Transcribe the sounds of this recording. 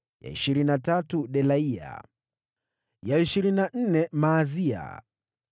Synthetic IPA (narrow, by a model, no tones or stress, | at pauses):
ja̰ḭʃiɾinatatuɗɛlaia̰ | jaiʃiɾinan̩nɛmaːzia̰